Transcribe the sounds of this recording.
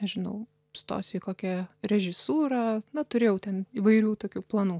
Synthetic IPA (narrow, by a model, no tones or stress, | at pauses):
ɛʒʲɪnɐʊ | st̪o̰ːsʲɪkoːkʲɛɾʲɛʒʲɪsuːɾɑːnɐt̪ʊɾʲeːjɛʊt̪ʲɛniːʋɐɪɾʲuːt̪oːkʲuːplˠɐnuː